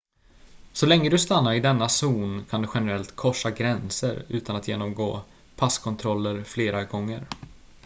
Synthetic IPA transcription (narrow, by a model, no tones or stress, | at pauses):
sɔlɛŋːəd̪ɵst̪anːaɾɪd̪ɛnːasuːnkʰand̪ɵɧɛnəɾɛlt̪kʰɔʂːaɡɾɛnsə̰ɾʉ̟ːt̪anat̪jḛːnɔmɡoː | pʰaskʰɔnt̪ʰɾɔlːəɾfleːɾaɡɔŋːəɾ